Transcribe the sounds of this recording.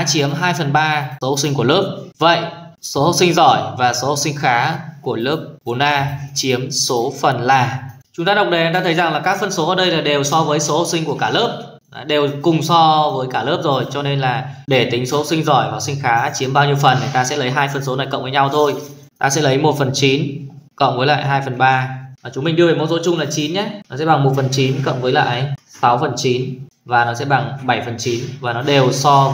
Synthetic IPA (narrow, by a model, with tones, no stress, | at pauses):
t͡ɕi˨˦əmɦaː˧jfə˨˩nɓaː˧so˨˦ho˧˩si˧ŋ̟ku˧˩əlɨ˦˥əp̚və̰˧˨jʔso˨˦ho˧˩si˧ŋ̟zɔ˧˩jvaː˨˩so˨˦ho˧˩wsï˧ŋ̟xaː˨˦ku˧˩əlɨ˦˥əp̚ɓo˨˩nʔaː˧t͡ɕi˨˦əmso˨˦fə˨˩nlaː˨˩ | t͡ɕʊ˨˦ŋ͡mt̪aː˧ɗə˨˩wk͡p̚ɗe˨˩˨t̪aː˧t̪ə˨˦jza˨˩ŋlaː˨˩kaː˦˥k̚fə˧nso˨˦ʔəː˨˩ɗə˧jlaː˨˩ɗe˨˩wsɔ˧vəː˨˦jso˨˦ho˧˩w̚sï˧ŋku˧˩əkaː˧˩ləː˦˥p̚ | ɗe˨˩wkʊ˨˩ŋ͡msɔ˧vəː˨˦jkaː˧˩ləː˦˥p̚zo˨˩jt͡ɕɔ˧ne˧nlaː˨˩ɗe˧˩t̪ï˨˦ŋ̟so˨˦ho˦˩sï˧ŋ̟zɔ˧˩jvaː˨˩wsï˧ŋ̟xaː˨˦t͡ɕi˨˦mɓaː˧wɲi˧əwfə˨˩nŋa˨˩jt̪aː˧sɛ̰˧˥lə˨˦jɦaː˧jfə˨˩ns̬o˨˦na˨˩jkə̰˧˨wŋ͡mvəː˨˦jɲa˧wt̪ʰo˧j | t̪aː˧sɛ̰˧˥lə˨˦jmo˨˩t̚fə˨˩nt͡ɕi˨˦nkə̰˧˨wŋ͡mvəː˨˦la̰ː˧˨jɦaː˧jfə˨˩nɓaː˧˨˩t͡ɕʊ˨˦ŋ͡mmï˨˩ɗi˧əve˨˩mo˧˥t̚so˨˦t͡ɕʊ˧ŋ͡mlaː˨˩t͡ɕi˨˦nɲɛ˨˦nɔ˨˦sɛ̰˧˥ɓa˨˩ŋmo˨˩t̚fə˨˩nt͡ɕi˨˦nkə̰˧˨wŋ͡mvəː˨˦jla̰ː˧˨ʔjʔsa˨˦wfə˨˩nt͡ɕi˨˦n | vaː˨˩nɔ˨˦sɛ̰˧˥ɓa˨˩ŋɓa˧˩jfə˨˩nt͡ɕi˨˦nvaː˨˩nɔ˨˦ɗe˨˩wsɔ˧